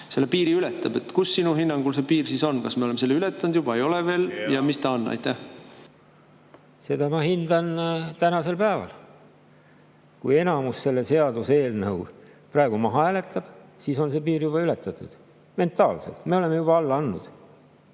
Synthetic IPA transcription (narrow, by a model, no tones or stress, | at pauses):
se̞lːepiːɾiylet̪ːˑɑb̥e̞t̪ːkusːinuɦinːɑŋɡulsepiːrsiso̞nːkɑsmeolemeselːeylet̪ːˑɑnud̪jub̥ɑe̞jo̞leve̞ːljɑmist̪ɑonːɑ̰jt̪ːˑæh | se̞d̪̥ɑmɑhind̪ɑnt̪ænɑse̞lpæːvɑ̰l | kuje̞nɑmusse̞lːe̞se̞ɑd̪useeːlnɤu | prɑe̞ɡ̥umɑɦɑæːle̞t̪ːˑɑb̥siːso̞nse̞piːɾjub̥ɑylet̪ːˑɑt̪ˑːud̪̥ | me̞nt̪ˑɑːlse̞̰lt̪me̞o̞le̞mːejubɑɑlːɑnːṵd̪̥